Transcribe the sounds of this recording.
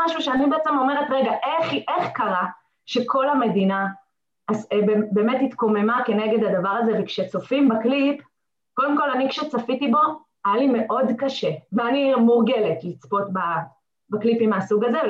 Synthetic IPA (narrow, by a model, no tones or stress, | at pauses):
aʃuʃeanibeet͡semo̞me̞ʁetʁeɡaʔeχʔeχkaʁa | ʃe̞kʰo̞lame̞dina | azbebeːmetit̪ko̞me̞make̞ne̞ɡe̞d̪hadavaʁaze̞vekʃet͡so̞fimbaklip | ko̞demko̞lanikʃet͡safitibo̞ | ajalime̞ʔo̞dkaʃeveanimuʁɡe̞le̞tlit͡spo̞tba | baklipimasuɡaze